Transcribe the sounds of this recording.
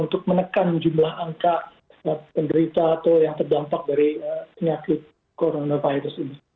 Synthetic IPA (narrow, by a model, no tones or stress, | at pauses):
unt̪ʊk̚mənəkand͡ʒumlaɦaŋka | əpəndəɾit̪aːt̪ajaŋt̪ərdampak̚daɾiəpəɲakɪt̪̚ | koɾonavajɾʊsini